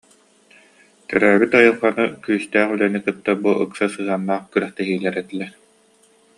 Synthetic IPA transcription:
t̪œɾæːbit̪ɔjɯχanɯkyːst̪æːχylɛnikɯt̪ːabuʔɯ̰ksasɯɦanːaːχkyɾœχt̪ɛɦiːlɛɾɛt̪ilɛ

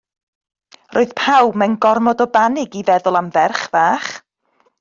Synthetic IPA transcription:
rʔoːɨð̥pʰawbmɛnɡɔrmɔdɔbanɪɡivɛðʊlˠamvɛrχvaːχ

